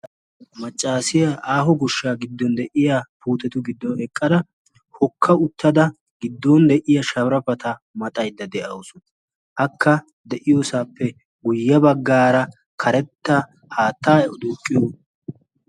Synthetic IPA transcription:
mɐt͡ʃʼːaːsɪjaʔaːɦɔɡʊʃːaːɡɪd̪ːɔnd̪ɛʔɪjapʰuːt̪ɛt̪ʊɡɪd̪ːɔɛkʼːɐd̪ɐ | hɔkʰːɐʊt̪ːɐd̪ɐ | ɡɪd̪ːoːnd̪ɛʔɪjɐʃɐβɾɐpɐt̪ɐ | mɐt̪ʼɐjd̪ːɐd̪ɛʔɐwʊsʊnɐ | ʔɐkʰːɐ | d̪ɛʔɪjoːsaːpːɛ | ɡʊjːɐbɐɡːaːɾɐ | kʰɐɾɛt̪ːɐ | haːt̪ːaːɛɔd̪uːkʼːɪjoː

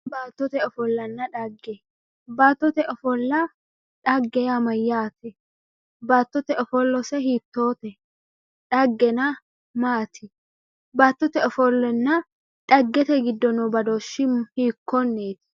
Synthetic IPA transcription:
baːt̪ːɔt̪ɛɔfɔlːɐnːɐᶑɐɡːɛ | baːt̪ːɔt̪ɛʔɔfɔlːɐ | ᶑɐɡːɛjamɐjːaːt̪ɛ | baːt̪ːɔt̪ɛʔɔfɔlːɔsɛhiːt̪ːoːt̪ɛ | ᶑɐɡːɛnɐ | maːt̪ʰɪ | baːt̪ːɔt̪ɛɔfɔlːɛnːɐ | ᶑɐɡːɛt̪ɛɡɪd̪ːɔnɔbɐd̪oːʃɪhiːkːɔnːeːt̪ɪ̥

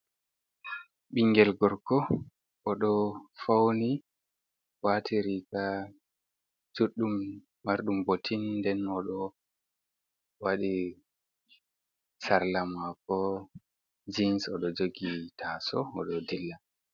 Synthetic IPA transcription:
ɓiŋɡɛlɡɔɾkɔ | ʔɔɗɔfawni | watʰiɾika | d͡ʒuɗːumː | aɾɗumbotʰinːdɛnɔɗɔ | waɗi | saɾlamakɔ | d͡ʒinsɔɗɔd͡ʒoɡitʰaːsɔɔ̰ɗɔdilːa

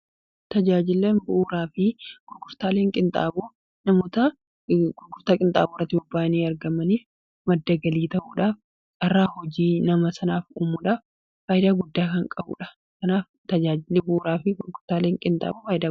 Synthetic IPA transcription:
t̪ɐd͡ʒaːd͡ʒɪlːenbʊʔuːɾaːfɪɡ̥ʊɾɡʊɾt̪aːleːŋkʼɪnt̪ʼa̰ːboː | nɐmoːt̪ɐ | ɡʊɾɡʊɾt̪aːkʼɪnt̪ʼa̰ːboːɐt̪ːɪjoːbːaːniːɐɾɡɐmɐniːf | mɐd̪ːɐɡɐliːt̪ɐʔuːᶑaːf | t͡ʃʼɐrːaːhɔd͡ʒiːnɐmɐsɐnaːfuːmuːᶑaːf | faːjɪd̪aːɡʊd̪ːaːkɐŋkʼɐbṵːᶑɐ̥ | kɐnaːf | t̪ɐd͡ʒaːd͡ʒɪlːeːbʊʔuːɾaːfɪɡʊɾɡʊɾt̪aːleːŋkʼɪnt̪ʼa̰ːboːfaːjɪd̪aː

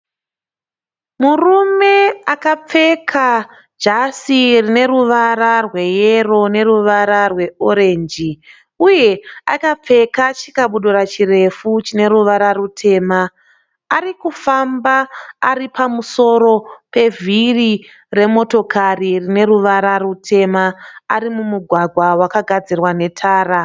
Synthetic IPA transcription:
murume̞akap͡fe̞kʰa | d͡ʒasirine̞ruʋaɾarwe̞je̞ro̞ne̞ruʋaɾarwe̞oɾe̞ːnd͡ʒi | uje̞a̰kap͡fe̞kat͡ʃikaɓuɗuɾat͡ʃire̞fut͡ʃine̞ɾuʋaɾarutʰe̞ːmaː | rikufambaːripamuso̞ɾo̞pe̞vʱiri | re̞mo̞to̞kʰaririne̞ruʋaɾarutʰe̞maːɾimumuɡʱwaɡʱwawakaɡʱad͡zirwane̞tʰaːra

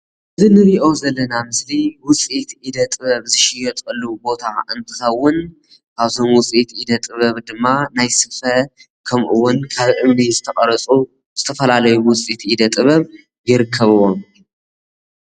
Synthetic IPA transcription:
ʔɨzinɨɾiʔo̞zɐlːɐnamɨsliwʊt͡sʼit̪ʔid̪ɐt̪ʼɨβɐβzɨʃɪjɛt̪ʼɨlːubo̞t̪ʰaɨnt̪ʰɨxɐwːʊn | kʰaβt̪ʰo̞mwʊt͡sʼit̪ʔid̪ɐt̪ʼɨβɐβd̪ɨmːanajsɨfɐ | kʰɐmʔɨwːʊnkʰaβʔɨmnizɨt̪ʰɐχʼɐɾɐt͡sʼu | z̥ɨt̪ʰɐfɐlalɐjuwʊt͡sʼit̪ʔid̪ɐt̪ʼɨβɐβ | jɪɾɨkʰːɐβɨwo̞m

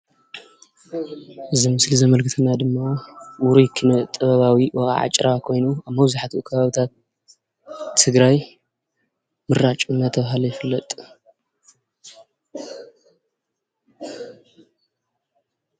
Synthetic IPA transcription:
ʔɨzimɨslizɐmɐlkʰɨt̪ʰɨnad̪ɨmːawʊɾujkʰɨnɐt̪ʼɐβɐβawiwɐɣʼa̰ʕa̰t͡ʃʼɾakʰo̞jnuaβmɐβzuħat̪ʰikʰɐβaβit̪ʰat̪̚ | ɨɡɾaj | mɨɾat͡ʃʼunːat̪ʰɐβaɦalɐjɪfɨlːɐt̪ʼ

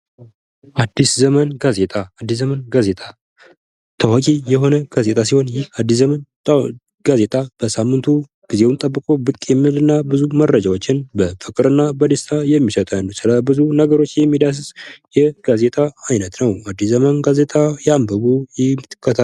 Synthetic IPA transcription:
ʔad̪ːiszəmənɡazet̪ʼaad̪ːis̬zəmənɡaze̞t̪ʼa | t̪ʰəwakʼijɛɦo̞nəɡ̥aze̞t̪ʼas̬iho̞njɪhad̪ːis̬zəmən | ɡ̥aze̞t̪ʼab̥əsamːɨnt̪ʰu | ɡ̥ize̞wnt̪ʼəbːɨkʼo̞bɨkʼjɛmːɨlɨnːabɨzumərːəd͡ʒawot͡ʃːɪnbəfɨkʼɨɾɨnːabəd̪əst̪ʰajɛmːisət̪ʼanːuwsɨləbɨzunəɡəɾo̞t͡ʃːjɛmːid̪as̬ɨzjɛɡ̥aze̞t̪ʼaajnət̪nəwad̪ːiszəmənɡaze̞t̪ʼajambəβujɪmɨt̪ɨkʰːət̪ʰa

